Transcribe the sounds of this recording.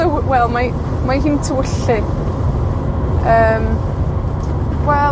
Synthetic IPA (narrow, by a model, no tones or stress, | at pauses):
əwwɛlˠma | majɦintʰəwʊɬɪ | əːm | wɛ